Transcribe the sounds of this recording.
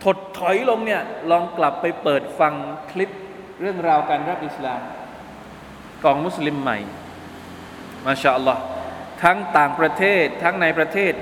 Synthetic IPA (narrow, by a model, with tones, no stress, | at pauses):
t̪ʰo˨˩t̪ʰːɔ˩˦jlo˧ŋni˥˩ɐlɔː˧ŋkla˨˩pːa˧jpɤː˨˩t̪̚fa˧ŋkʰli˦˥p̚ | ɾɯ˥˩əŋɾaː˧wkaː˧nɾa˥p̚ʔi˨˩slaː˨˧m | kɔː˧ŋmu˦˥sli˧mːa̰˨˩j | maː˧˩ɕaː˧ʔɑ˧lːɔ˦˥t̪ʰa˦˥ŋt̪aː˨˩ŋpɾa˧t̪ʰeː˥˩t̪ʰːa˦˥ŋna˧jpɾa˧t̪ʰeː˥˩t̪̚